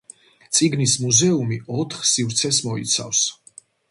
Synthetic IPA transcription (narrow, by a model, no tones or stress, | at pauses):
t̪sʼiɡnismuzɛumiɔt̪ʰχsivɾt̪sʰɛsmɔḭt̪sʰa̰fs